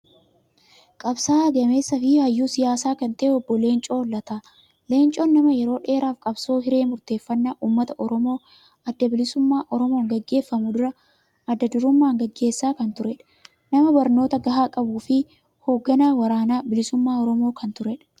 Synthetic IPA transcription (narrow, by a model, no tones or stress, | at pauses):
kʼɐbsaːɐɡɐme̞ːsːɐfɪhɐjːuːsɪjaːsaːkɐnt̪ɐʔeɔbːɔle̞ːnt͡ʃʼo̞ːlːɐt̪aː | le̞ːnt͡ʃʼo̞ːnːɐmɐjɛɾo̞ːᶑe̞ːɾaːfkʼɐbso̞ːɦɪɾe̞ːmʊɾt̪e̞ːfːɐnːaʔuːmːɐt̪ɐʔɔɾɔmo̞ː | ɐd̪ːɐbɪlɪsʊmːaːʔɔɾɔmo̞ːŋɡɐɡːe̞ːfːɐmʊd̪ʊɾɐ | ɐd̪ːɐd̪ʊɾʊmːaːŋɡɐɡːe̞ːsːaːkɐnt̪ʊɾɛᶑɐ̥ | nɐmɐbɐɾno̞ːt̪ɐɡɐɦaːkʼɐbuːfɪ | ho̞ːɡːɐnaːwɐɾaːnaːbɪlɪsʊmːaːɔɾɔmo̞ːkʰɐnt̪ʊɾɛᶑɐ̥